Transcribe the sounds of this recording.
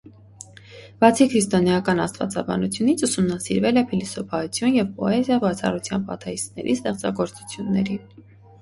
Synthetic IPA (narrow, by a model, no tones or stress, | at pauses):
b̥ɑt͡sʰikʰɾist̪ɔnjɑkɑnɑ̰st̪vɑ̰t͡sɑbɑ̰nut͡sʰjunit͡sʰusumnɑsiɾvɛlɛpʰilisɔpʰɑut͡sʰjunjɛvpɔɛzjɑbɑt͡sʰɑ̰rut͡sʰjɑnpɑ̰t̪ʰɛist̪nɛ̰ɾʔist̪ɛχt͡sɑ̰ɡɔɾt͡su̥t͡sʰjunːɛɾin